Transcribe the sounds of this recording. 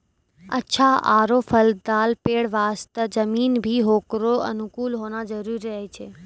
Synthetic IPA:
ɐʃʰaa̰ːɾofɐld̪aːlpeːɽʋaːst̪ɐzɐmiːnbʱiɦoːkɾoɐ̰nʊkuːlɦoːnazɐɾuːɾiəɦit͡ʃʰeː

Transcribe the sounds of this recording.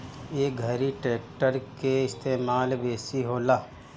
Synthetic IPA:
jeːɡʱəɾiʈeːk̚ʈəɾkeɪst̪eːmaːlbeːsiɦoːlaː

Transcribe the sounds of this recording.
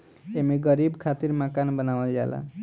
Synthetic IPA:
emiɡʌɾibkʰat̪iɾmakanbʌnawʌlja̰la̰

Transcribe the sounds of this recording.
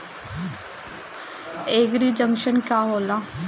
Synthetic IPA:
eːɡɾiːd͡ʒəŋkʃənkjaːɦoːlaː

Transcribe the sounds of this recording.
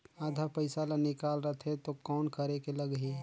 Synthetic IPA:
aːd̪ʱapəɪsalanɪkaːlɾət̪ʰet̪okɔːnkəɾekeləɡɦi

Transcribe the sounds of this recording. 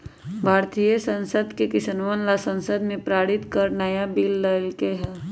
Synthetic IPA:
bʱaːɾt̪ijəsə̃nsəd̪kekɪsənʋənlasə̃nsəd̪mẽpɾaːɽɪt̪kəɾnəjabilːəlkeɦɛː

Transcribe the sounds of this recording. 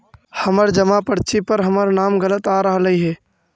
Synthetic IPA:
həməɾd͡ʒəmapəɽt͡ʃipəɾɦəməɾnaːmɡələt̪aːɾəɦləɦiɦɛː

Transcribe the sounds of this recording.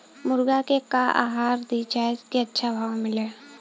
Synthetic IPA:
mʊɾɡakekaʔa̰ːɦaːɾd̪it͡ʃaːskeɐtːʃʰabʱaːʋmɪleː

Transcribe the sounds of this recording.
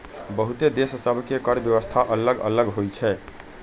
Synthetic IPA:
bəɦut̪ed̪essəbʱkekəɾbjəʋəst̪ʰaʔələɡə̰ləɡɦojt͡ʃʰɛ

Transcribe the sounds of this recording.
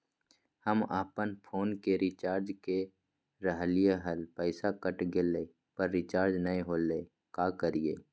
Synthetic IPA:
həmaːpənpʰoːnkeɾɪt͡ʃaːɾd͡ʒke | ɾəɦlijaɦəlpəɪsakəʈɡeleː | pəɾːɪt͡ʃaːɾd͡ʒnəĩɦoːleː | kaːkəɾiḛː

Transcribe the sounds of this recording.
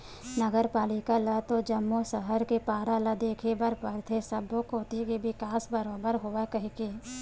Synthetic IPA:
nɐɡəɾpaːlɪkalɐt̪od͡ʒɐmːosɐɦəɾkepaːɾalad̪eːkʰebɐɾpəɾt̪ʰesɐbokoːt̪ikebɪkaːsbəɾoːbəɾɦoʋakɐɦike

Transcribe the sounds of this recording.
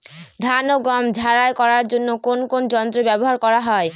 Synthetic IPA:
d̪ʱanoɡɔmd͡ʑʱaɾajkɔɾaɾd͡ʑonːokonkond͡ʒɔnt̪ɾobɛboɦaɾkɔɾaɦɔe

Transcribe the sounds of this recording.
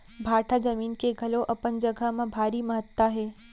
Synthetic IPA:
bʱaːʈʰad͡ʒəmiːnkeɡʱɐloʔɐpənd͡ʒəɡʱamãbʱaːɾiməɦət̪ːaɦeː

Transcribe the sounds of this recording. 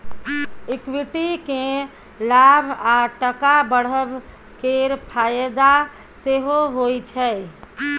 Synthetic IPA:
ikwiʈike | labʱaʈəkabəɽ̤əb | keɾpʰajəd̪a | seɦoɦojt͡ʃʰɛ

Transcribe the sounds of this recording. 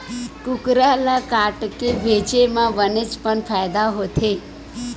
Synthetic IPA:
kukɾalakaʈkeʋʱed͡ʒemãʋənet͡spəɳfʰajd̪aɦot̪ʰe

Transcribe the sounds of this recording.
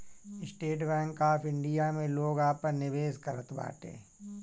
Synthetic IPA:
ɪsʈeːʈbɛ̃ːŋkaːfʰɪ̃ɳɖijamẽloːɡaːpəɾnɪʋeːskɐɾət̪ba̰ːʈḛ̃ː

